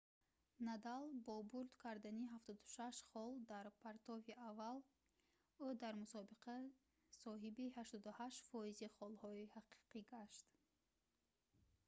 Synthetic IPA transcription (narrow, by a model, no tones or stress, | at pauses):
nad̪albɔbuɾd̪kʰaɾd̪aniɦaft̪ɔd̪u̥ʃaʃχɔld̪aɾpʰaɾt̪ʰɔviʔaval | ud̪aɾmusɔbiqʰa | sɔɦibihaʃt̪ɔd̪uhaʃfɔiziχɔlhɔihaqi̥qiɡaʃt̪